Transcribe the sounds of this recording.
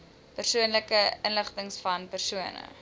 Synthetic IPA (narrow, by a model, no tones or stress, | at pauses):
pərsuənləkəʔənləχtəŋsfɐnpərsuənə̰